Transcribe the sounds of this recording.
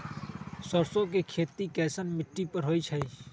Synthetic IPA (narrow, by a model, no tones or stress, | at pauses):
səɾsõk̬ekʰeːt̪ikɛːsənmɪʈːipəɾɦoːit͡ʃʰəi